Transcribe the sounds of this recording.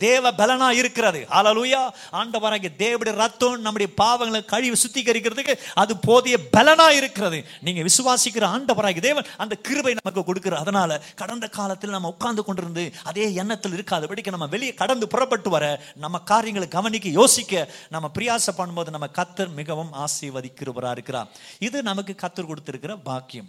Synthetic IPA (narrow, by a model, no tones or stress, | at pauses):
d̪eːʋɐbɛlɐnaːjɪɾɯkːɪɾɐðɯhaːleːlujaː | aːɳɖɐbɐɾaːŋɡid̪eːʋɐɽɐjɾɐt̪ːonnɐmːʊɽɪjɐpaːʋɐŋɡɐɭkɐɻɪʋsʊt̪ːikɐɾɪk̬ːɪɾɐðɯkːɯɐðɯpoːðɪjɐbɛlɐnaːjɪɾɯkːɪɾɐðɯ | niːŋɡɐʋɪsɯʋaːsɪkːɪɾɐaːɳɖɐbɐɾaːŋɡid̪eːʋɐnɐnd̪ɐkɪɾɯbɐɪnɐmɐk̬ːɯkɔɽɯkːɯɾɐɐðɐnaːlɐkɐɽɐnd̪ɐkaːlɐt̪ːɪlnɐmːɐʊkːaːnd̪ɯkːɔɳɖɪɾɯnd̪ɯɐðeːɛnːɐt̪ːɪlɪɾɯkːaːðɯpɐʈːɪkːɐnɐmːɐʋɛɭɪjɐkɐɽɐnd̪ɯpʊrɐp̬ːɐʈːɯʋɐɾɐ | nɐmːɐkaːɾɪjɐŋɡɐɭɡɐʋɐnɪk̬ːɯjoːsɪkːɐnɐmːɐpɪɾɪjaːsɐpːɐɳːɯmpoːðɯnɐmːɐkɐt̪ːɯɾmɪɣɐʋɯmaːsiːʋɐðɪkːɪɾɐpɐɾa̰ːɪɾɯkːɪɾa̰ːɪðɯnɐmɐkːɯkɐt̪ːɯɾkɔɽɯt̪ːɪɾɯkːɪrɐbaːkːɪjɐm